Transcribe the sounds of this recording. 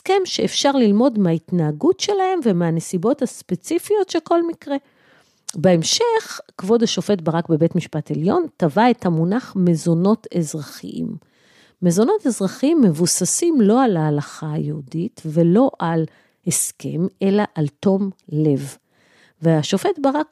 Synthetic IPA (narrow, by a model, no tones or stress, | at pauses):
ske̞mʃeːfʃaʁlilmo̞dmeaitnaːɡutʃe̞lahe̞mvemeane̞sibo̞thaspe̞t͡sifijo̞tʃelko̞lmikʁe̞ | beemʃe̞χkvo̞daʃo̞fe̞tbaʁakbe̞be̞tmiʃpateljo̞ntavaethamunaχme̞zo̞no̞te̞zʁaχḭʔḭmː | ezo̞no̞te̞zʁaχiimːe̞vusasimlo̞alaːlaχajeuditve̞lo̞ʔal | eske̞me̞laʔalto̞mle̞v | veaʃo̞fe̞tbaʁak